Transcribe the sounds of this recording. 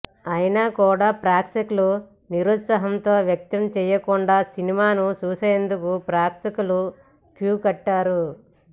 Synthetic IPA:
ɐjinakuːɽaːpɾaːksɐklu | niɾut̪sɐɦɐmt̪o̞ːʋjɐk̚t̪ɐmt͡ʃɛːjɐkuɳɖaːsinimaːnut͡ʃuːseːnd̪ukupɾaːksikulu | kjuːkɐʈːaːɾu

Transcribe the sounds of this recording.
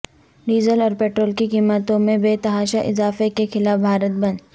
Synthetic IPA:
ɖiːzəlɔːɾpeːʈɾoːlkikiːmət̪õmẽbeːt̪ɐɦaːʃaʔɪzaːfekexɪlaːfbʱaːɾət̪̚bɐn

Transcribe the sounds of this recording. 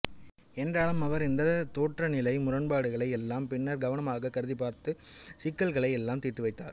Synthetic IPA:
ɛndraːɭɯmɐʋɐɾɪnd̪ɐt̪oːʈrɐnɪlɐɪmʊrɐnbaːɽɯɣɐɭɐɪɛlːaːmpɪnːɐɾɡɐʋɐnɐmaːɣɐkɐɾɯðipaːɾt̪ɯsɪkːɐlɣɐɭɐɪɛlːaːmt̪iːʈːɯʋɐɪt̪ːaːɾ

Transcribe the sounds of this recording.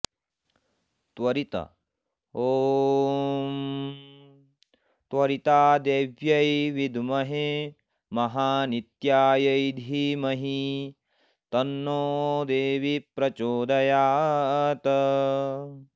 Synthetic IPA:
t̪ʋɐɾit̪ɐ̰ | oː | t̪ʋɐɾit̪aːd̪eːʋjɐjʋid̪ʱmɐɦe | mɐɦaːnit̪jaːjɐjd̪ʱimɐɦi | t̪ɐnːoːd̪eːʋipɾɐt͡ʃoːd̪ɐjaːt̪ɐ

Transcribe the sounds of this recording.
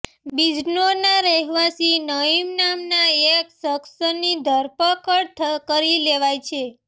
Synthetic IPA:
bid͡ʒnonaɾɛɦʋasinəimnamnaeksəksənid̪ʱəɾpəkəɽt̪ʰkəɾileʋajt͡ʃʰe

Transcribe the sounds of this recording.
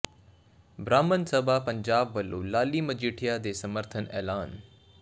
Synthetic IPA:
bɾaːmənsəbʱapɐɲd͡ʑaːbːɐlːṵlaːliməd͡ʑiːʈʰijad̪eːsɐməɾt̪ʰənɛ̰ːlaːn

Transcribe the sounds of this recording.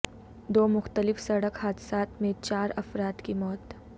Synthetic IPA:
d̪oːmʊxt̪əlɪfsɐɽəkhaːd̪ɪsaːt̪mẽt͡ʃaːɾɐfɾaːt̪kimɔːt̪

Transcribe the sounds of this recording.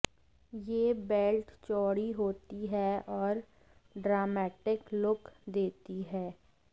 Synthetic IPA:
jeːbeːlʈt͡ʃɔːɽiɦoːt̪iɦɛɔːɾ | ɖɾaːmɛːʈɪklʊkd̪eːt̪iɦɛː

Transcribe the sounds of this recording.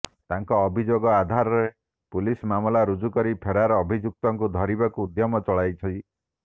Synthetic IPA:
t̪aŋkɔːbʱid͡ʒoɡɔad̪ʱaɾɔɾe | pulismamɔlaɾud͡ʒukɔɾipʰeɾaɾɔːbʱid͡ʒuk̚t̪ɔŋkud̪ʱɔɾibakuːd̪jɔmɔt͡ʃɔɭajt͡ʃʰɔi

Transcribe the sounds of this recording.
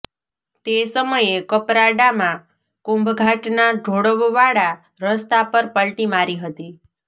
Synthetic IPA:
t̪esəməjekəpɾaɖamã | kʊmbɡʱaʈnaɖʱoɽəʋʋaɽa | ɾəst̪apəɾpəɭʈimaɾiɦət̪i

